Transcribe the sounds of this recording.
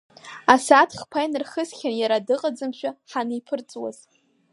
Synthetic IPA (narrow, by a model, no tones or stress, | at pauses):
asatʰχpʰajnɨrχəsχʲanjaɾadɨqʼad͡zɨmʃʷᶣaħanɨipʰɨrt͡sʼwa̰z̥